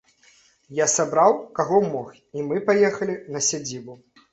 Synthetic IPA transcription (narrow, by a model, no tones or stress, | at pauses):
jasabɾawkaɣɔmɔx | imɨpajɛxɐlʲinɐsʲad͡zʲibu